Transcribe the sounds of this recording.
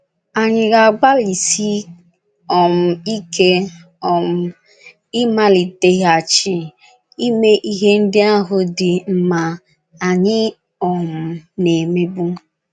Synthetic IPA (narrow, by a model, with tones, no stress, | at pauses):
a˨ɲɪ˨ɣa˨ɡ͡ba˦li˨si˦ | ɔ˨m̩˨i˦ke˦ | ɔ˨m̩˨˦ | i˦ma˦li˨te˦ɦa˨t͡ʃɪ˨ | i˦me˦ʔi˦ɦe˦n̩˦dɪ˦a˦ɦʊ˦dɪ˨m̩˦ma˨ | a˨ɲɪ˦ | ɔ˨m̩˨ne˨me˦bu˦